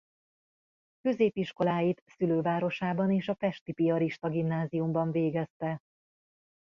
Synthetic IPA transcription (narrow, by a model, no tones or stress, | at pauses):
kø̞zeːpiʃko̞laːjit̪syløːvaːɾo̞ʃaːbɒneːʃɒfɛʃt̪ipiɒɾiʃt̪ɒɡimnaːzijumbɒɱveːɡɛst̪ɛ